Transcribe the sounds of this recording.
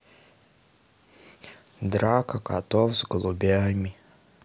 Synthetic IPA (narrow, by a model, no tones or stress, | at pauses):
d̪ɾakɐkat̪ɔwzɡəlˠubʲamʲi